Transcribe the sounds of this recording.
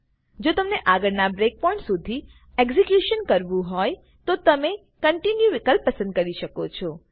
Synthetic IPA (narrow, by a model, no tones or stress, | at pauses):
d͡ʒot̪əmneʔaɡəɾnabɾek̚pɔɳʈsud̪ʱi | eɡzikjuʃənkəɾʋũɦɔj | t̪ot̪əme | kəɳʈinjuʋɪkəlpːəsə̃nd̪̚kəɾiʃəkot͡ʃʰɔ